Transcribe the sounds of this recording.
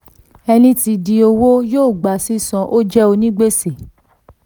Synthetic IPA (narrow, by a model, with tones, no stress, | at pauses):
ɛ˧nĩ˦ti˧di˧o˧wo˦joː˦˨ɡ͡ba˨si˦sɔ̃˧ʔo˦d͡ʒɛ˦o˧nĩ˦ɡ͡be˦se˨